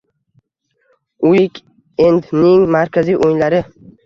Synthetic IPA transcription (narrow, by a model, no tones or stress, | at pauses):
ujɪkʲ | end̪nɪŋmaɾkʲʰazijʔojnlaɾɪ